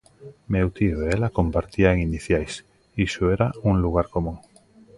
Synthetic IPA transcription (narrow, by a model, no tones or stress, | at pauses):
mewt̪ioeelakompaɾt̪iaeŋiniθjajs | iʃoeɾauŋluɣ̞aɾkomũŋ